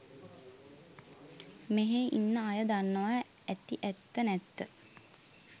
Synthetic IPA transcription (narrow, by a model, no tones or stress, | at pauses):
meɦeʔḭnːəajəd̪anːəʋa | æt̪iʔæt̪ːənæt̪ːə